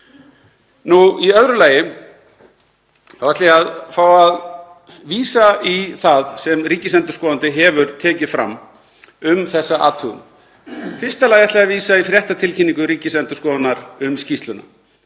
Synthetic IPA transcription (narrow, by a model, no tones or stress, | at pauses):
nuiœvɾʏlaːjɪ | θavaht̪lɪaðfaːwað | viːsaiθaðsɛmriːcɪsɛnt̪ʏ̥skɔːðant̪ɪɦɛvʏɾt̪ʰɛːcɪfɾa̰mː | ʏmθɛsːaʔa̰ːt̪ʰʏɣn | fɪr̥st̪alaːjaht̪lɛɣaviːsaifɾjɛht̪at̪ʰɪlcʰɪnːiŋkʏɾiːcɪsɛnt̪ʏ̥skɔːðanːaɾʏmscist̪lʏna̰